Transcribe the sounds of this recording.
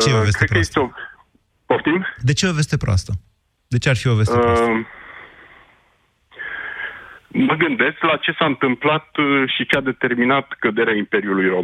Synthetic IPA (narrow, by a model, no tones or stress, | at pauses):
t͡ʃeeoveskɾt̪epɾəjest̪eo | pot̪imd̪e̞t͡ʃeo̞ve̞st̪e̞pɾoa̰st̪ə | d̪e̞t͡ʃearfio̞ve̞sep | məɡɨnd̪e̞skʲlat͡ʃe̞saɨnt̪ɨmplat̪ʃit͡ʃead̪e̞t̪e̞rminat̪kəd̪e̞ɾeaimpe̞ɾiulujɾo̞